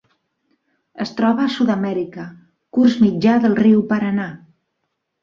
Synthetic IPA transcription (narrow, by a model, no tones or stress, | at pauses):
əst̪ɾɔβəːsuðəmɛɾikə | kurzmid͡ʒaðəlˠriwpəɾəna